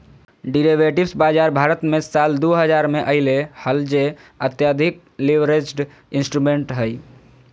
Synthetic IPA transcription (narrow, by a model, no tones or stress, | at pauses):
ɖiɾeʋeʈibsbad͡ʒaɾbʱaɾət̪mesald̪oɦəd͡ʒaɾmeʔəɦɪlehəld͡ʒeət̪jad̪ʱik̚ | liʋɾed͡ʒɖ | insʈɾumeɳʈɦəj